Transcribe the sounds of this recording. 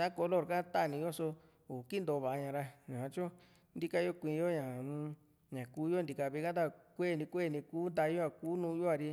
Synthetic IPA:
a˦ko˧lo˦˨ɾka˦t̪a˦˧nĩ˧jo˦so˧ | o˨ki˦nd̪o˨˧˨βa˨˧ɲã˧ɾa˧ɲã˨ã˧t͡ʃo˦ | nd̪i˦ka˧jo˦kʷĩ˧jo˦ɲã˨ũ˧ | ɲã˨kuː˦jo˦nd̪i˧ka˧βi˧ka˦d̪a˦˧kʷe˦˨nĩ˧kʷe˦˨nĩ˧kuː˦nd̪a˧jo˦a˧˨kuː˦nũː˧jo˦a˧ɾi˧

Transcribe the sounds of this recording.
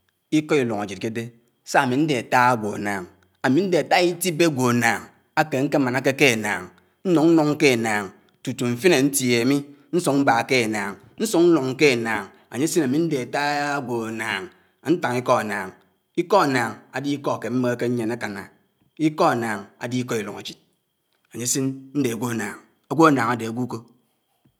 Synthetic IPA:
i˦kɔ˦i˨lo˨ŋa˨d͡ʒi˨t̚ke˦de˦ | sa˦a˨mi˨n̩˦de˨a˨ta˦a˦ɡʷo˨a̰˨naː˨ŋ | a˨mi˨n̩˦de˨a˨ta˦i˦ti˦be˦ɡʷo˨a˨naː˨ŋ | a˦ke˨ŋ̩˦ke˦ma˨na˦ke˦ke˦˨na̰ː˨ŋ | n̩˦nɔ˨ŋn̩˦nɔ˦ŋ̩˦ke˦˨naː˨ŋ | tu˨tu˨ɱ̩˨fi˦ne˨n̩˦tje˨a˨mi˦ | n̩˦su˦ŋŋ͡m̩˦ba˨ke˦˨naː˨ŋ | n̩˦su˦ŋn̩˦nɔ˨ŋ̩˦ke˦˨naː˨ŋ | a̰˨ɲe˦si˦na˨mi˦n̩˦de˨a˨ta˦ɡʷo˨a˨naː˨ŋ˨˦ | n̩˦ta˨ŋi˦kɔ˦a˨naː˨ŋ | i˦kɔ˦a˨naː˨ŋa˨di˦kɔ˦a˨ke˨m̩˦me˦ke˦ɲe˨na˦ka˨na̰˨ | i˦kɔ˦a˨naː˨ŋa̰˨di˦kɔ˦i˨lo˨ŋa˨d͡ʒi˨t̚ | a˨ɲe˦si˦nn̩˦de˨a˨ɡʷo˦a˨naː˨ŋ | a˨ɡʷo˦a˨naː˨ŋa˨de˨a˨ɡʷu˦ko˦

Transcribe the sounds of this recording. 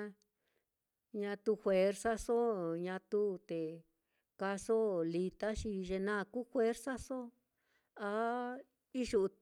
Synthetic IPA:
ɲã˧t̪u˧xwe˨˦ɾsa˦so˦ɲã˧t̪u˦˧t̪e˨ | ka˧so˦li˧t̪a˦ʃi˧ʒe˧nã˦˧ku˦xwe˦ɾsa˦so˦ | a˧ | i˦ʒu˧ʔ

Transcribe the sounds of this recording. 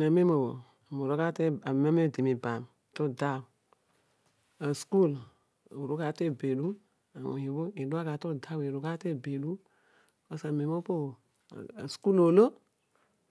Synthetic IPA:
na˨me˦mo˨wo̰˨ | a˨mu˨ɾo˦ka˦te˦a˨me˦me˦˨di˨mi˨ba˨m˨to˦da˦˨w | a˨sku˦l | ɾo˦ka˦te˦˨be˨lu˦ | a˨wo̰˨ji˨bo˦i˨du˦a˦ka˨to˦da˦wi˨ɾo˨ka˦te˦˨be˨lu˦ | o˦sa˨me˨˦mo˦po̰˦˨ | a̰˨sku˦lo˨lo˦

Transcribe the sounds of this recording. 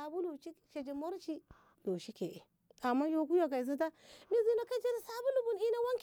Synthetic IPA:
a˨bu˦lu˨t͡ʃi˦˨ʃe˨d͡ʒi˨mo˦ɾt͡ʃi˦ | lo˨ʃi˦ke˨ʔe˨ | a˨mːa˦jo˨ku˦jo˨ɡa˨i˨zi˦ta˦mi˦zi˦no˦ka˦d͡ʒe˦ɾi˦sa˦bu˦lu˨bu˨ni˦na˦wa˦ŋk

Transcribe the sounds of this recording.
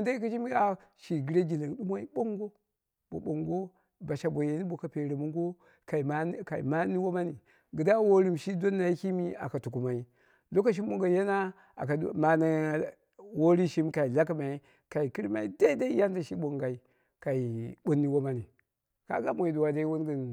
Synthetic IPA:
u˨nda˦i˦ku˦ʃi˦mi˦a˨ʃi˨ɡi˨ɾe˦ɡi˨la˨n˨ɗu˦ma˦i˦bo˦ŋɡo˦ | bo˨ɓo˨ŋɡo˦ | ba˨ʃa˨bo˨je˨ni˦bo˨ka˨pe˨ɾe˨mu˦ŋ˦ɡo˦ | ka˨i˨˦ka˨ḭ˨ma˦ni˦wo˦ma˦ni˨ | ɡə˨da˦wo˦ɾi˦mʃi˦do˦nːa˨i˦ki˦mi˦a̰˨ka˨tu˨ku˨ma˨i˦ | lo˦ka˨ʃ̬i˦mmo˦˨ŋɡa˨je˦na˦ | a̰˨ka˨ma˨na˨ | wo˦ɾi˦ʃi˦mka˨i˨la˦ka˦ma˨i˦ | ka˨i˨ki˦ɾma˦i˦da˦i˦da˦i˦ja˦n˦da˨ʃi˦ɓo˨ŋɡa˨i˨ | ka˨i˨ɓo˦nːi˦wo˦ma˦ni˨ | ka̰˦ɡa˦mo˨i˨du˨wa˨da˦i˦wo˦nɡə˨n

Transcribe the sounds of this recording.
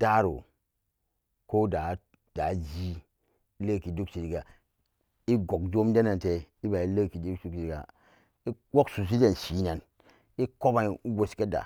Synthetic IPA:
da˦ɾo̰˨ | ko˦da˨˦ | d̥a˨d͡ʒi˦ | i˦lə˦˨ki˨du˦kt͡ʃi˨ɾi˨ɡa˨ | i˦ɡo˨k̚d͡ʒo˦m˦de˦na˨nte˨i˦ba˨i˦lə˦ki˨du˦ksu˦ki˨ɡa̰˨ | i˦ | wo˦ksu˨s̬i˦d͡ʒe˨nʃi˨˦na˨n | i˦ko˦ba˨u˦ɡo˨ske˦da̰˨

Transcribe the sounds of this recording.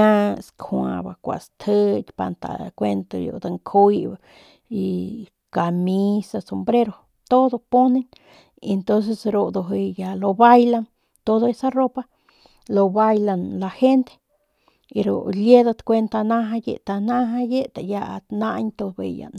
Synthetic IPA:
ã˦skʰwã̰˧ba̰˧˨kʷa̰˨st̪ʰə˦t̪ʲpa̰˧nt̪a̰˨kʷe˧nt̪o˧jo̰˨d̪a˧ŋkʰu˦jba˨ | i˧ | ka˨mi˦sa˧so˧mbɾe˦ɾo˧ | t̪o˦d̪o˧po˦ne˧n | e˧nt̪o˦nse˧sɾo˧d̪o˧ɦe˧ja˧lo˧ba˦jla˧n | t̪o˦d̪o˧e˦sa˦ro˦pa˦ | lo˧ba˧jla˧nla˧he˦nt̪e̥˦ | e˧ɾo̰˨lje˦d̪a˧t̪kʷe˧nt̪a˧na˦ɦa˧jḛ˧ʔt̪a˧na˦ɦa˧je˦t̪a˨ja˧ʔa̰˧t̪na˦ɲt̪o˧bḛ˧ja̰˨n

